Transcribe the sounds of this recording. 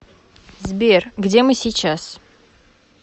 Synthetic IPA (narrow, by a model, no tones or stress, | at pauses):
zbʲerɡdʲe̞mɨsʲijt͡ɕːas